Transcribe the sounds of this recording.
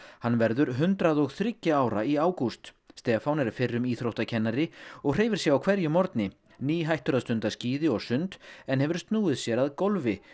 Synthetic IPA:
hanːvɛɾðʏɾɦʏnt̪ɾaðɔɣθɾɪcːɪaːwɾaiaːwkust̪ | st̪ɛːfawnɛɾfɪrːʏmiːθɾowht̪acʰɛnːaɾɪɔɣr̥eːjvɪɾ̥sjɛɣawkʰv̥ɛɾjʏmɔɾt̪nɪ | niːɦajht̪ʏɾast̪ʏnt̪asciːðɪɔɣsʏnt̪ɛnhɛvʏɾ̥st̪nuːɪðsjɛɾaðkolvɪ

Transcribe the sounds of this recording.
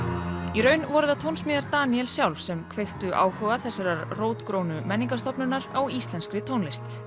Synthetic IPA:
iɾœɥnvɔɾʏðat̪ʰownsmɪːðaɾt̪aːniɛlsjawlvsɛmkʰvejxt̪ʏʔa̰ːwhœɣaθɛsːaɾaɾroːwt̪kɾownʏmɛnːiŋkast̪ɔpnʏnːaɾawist̪lɛnskɾɪt̪ʰownlɪst̪

